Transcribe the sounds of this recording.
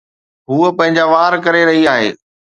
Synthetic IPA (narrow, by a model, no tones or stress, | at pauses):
ɦuːəpɐ̃ɦɪ̃ɲd͡ʑaʋaːɾkɐɾeɾɐɦiaːɦḛː